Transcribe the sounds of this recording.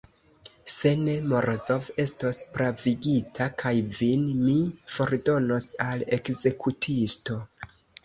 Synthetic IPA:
se̞ne̞moɾozo̞ve̞sto̞spɾaviɡitʰakʰajvinmifo̞ɾdo̞no̞sale̞kze̞kutʰisto̞

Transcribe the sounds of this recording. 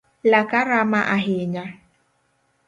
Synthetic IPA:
lakaɾamaʔaɦɪɲa

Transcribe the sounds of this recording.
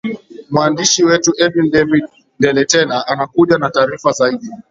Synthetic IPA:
mwandiʃiwɛtuʔɛvindɛviɗ | ndɛlɛtɛnaʔanakuʄanataːɾifazaiɗi

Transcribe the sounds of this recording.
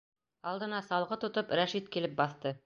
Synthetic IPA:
ɑlˠd̪ɤ̆nɑsɑlˠʁɤt̪ŏt̪ɤpɾæʃit̪̚kilɘp̚bɑθt̪ɤ

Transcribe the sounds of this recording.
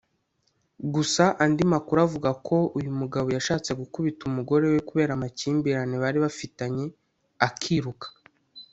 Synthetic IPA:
ɡusaʔandimakuɾavuɡakʰo̞ujumuɡaβo̞jaʃaːt͡se̞ɡukuβitumuɡo̞ɾe̞wekuβe̞ːɾamaciːmbiɾaneβaɾiβafitaɲe̞ | akʰiɾukḁ

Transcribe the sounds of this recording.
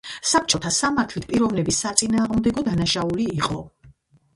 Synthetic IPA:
sap̚ʰt͡ʃʼɔt̪ʰasamaɾt̪ʰlit̪ʰpʼiɾɔvnɛbisːat̪sʼinaːʁmd̪ɛɡɔd̪anaʃauliːqʼɔ

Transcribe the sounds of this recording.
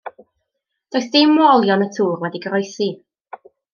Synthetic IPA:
d̥ɔjsd̥ɪmwɔlˠjɔnətʰuːrwɛdiɡəɾɔjsi

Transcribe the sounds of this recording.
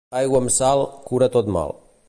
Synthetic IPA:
ajɡamsalkuɾat̪ɔd̪ma̰lˠ

